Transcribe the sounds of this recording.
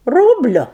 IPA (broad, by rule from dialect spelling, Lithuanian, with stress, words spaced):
ˈruːbʲlʲʊ